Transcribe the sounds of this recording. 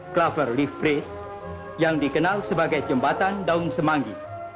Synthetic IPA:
klafərlifbɾɪt̪s | jaŋdikənalsəbaɡajd͡ʒəmbat̪andaunsəmaŋɡḭ

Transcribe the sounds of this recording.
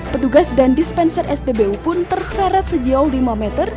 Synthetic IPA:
pət̪uɡasdandispɛnsərʔɛsbebeupʊnt̪ərsɛɾɛt̪̚səd͡ʒaulimamɛt̪ər

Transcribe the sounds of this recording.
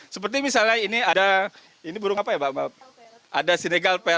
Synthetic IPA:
səp̬ərt̪imisalɲainiada | inibuɾʊŋapajabaʔma | ʔa̰dasineɡalpɛ

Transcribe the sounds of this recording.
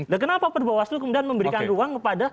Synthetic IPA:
dakənapapərbawast̪ukəmudianməmbəɾikanruaŋkəpada

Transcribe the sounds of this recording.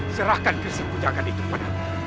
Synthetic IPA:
səɾakankisəkud͡ʒaɡat̪it̪upəna

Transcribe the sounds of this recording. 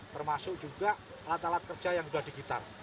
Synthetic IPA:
t̪ərmasʊkd͡ʒuɡa | alat̪alat̪̚kər̥d͡ʒajaŋblad̥iɡit̪a̰r

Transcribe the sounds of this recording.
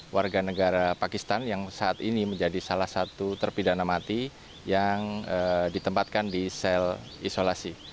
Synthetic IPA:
wʔarɡanəɡaɾapakist̪anjaŋsaːt̪iniməɲd͡ʒadisalahsat̪ut̪ərpidanamat̪i | jaŋədit̪əmpat̪̚kandisɛl | isolasi

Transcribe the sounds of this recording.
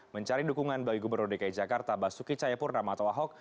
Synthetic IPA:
məɲt͡ʃaɾidukuŋanbawiɡubərnʊrdekajid͡ʒakart̪abasukit͡ʃajapʊrnamaːt̪awaɦɔk̚

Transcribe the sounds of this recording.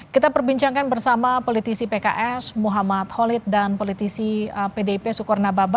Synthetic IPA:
kit̪apərbiɲt͡ʃaŋkanbərsamapolit̪isipeka̰ʔɛsmuɦamat̪̚holit̪̚danpolit̪isiəpedeipesukɔrnababa

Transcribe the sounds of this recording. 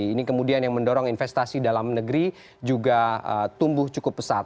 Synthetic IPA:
nikəmudianjaŋməndoɾɔŋinfɛst̪asidalamnəɡəɾi | d͡ʒuɡaə̰t̪umbʊht͡ʃukʊp̚ːəsat̪̚

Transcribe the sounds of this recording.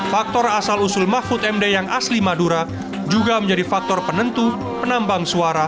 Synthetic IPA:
fak̚t̪ɔrasalusʊlmafʊt̪ɛmdejaŋʔaslimaduɾa | d͡ʒuɡaməɲd͡ʒadifak̚t̪ɔrpənənt̪u | pənambaŋsuaɾa

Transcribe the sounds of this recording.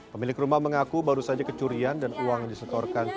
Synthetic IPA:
pəmilɪkrumahməŋakubaɾusad͡ʒakət͡ʃuɾiandanuaŋdisət̪ɔrkan

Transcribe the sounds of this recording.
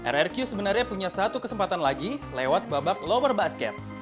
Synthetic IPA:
ʔɛ̰rɛrkjusəbənarɲapuɲasat̪ukəsəmpat̪anlaɡilewat̪̚babak̚lowərbaskɛ̰t̪̚

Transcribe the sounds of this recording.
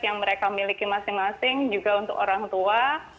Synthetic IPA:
jaŋməɾekamilikimasɪŋmasɪŋd͡ʒuɡaunt̪ʊ̰koɾaŋt̪ua

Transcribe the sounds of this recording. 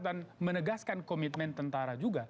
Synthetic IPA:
danmənəɡaskankomit̪̚mɛnt̪ənt̪aɾad͡ʒuɡa

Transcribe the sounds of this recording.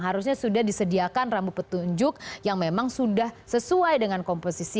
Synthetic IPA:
ɦaɾusɲasudahdisədiakanrambupət̪uɲd͡ʒʊk̚jaŋmemaŋsudahsəsuajdəŋankɔmposisi

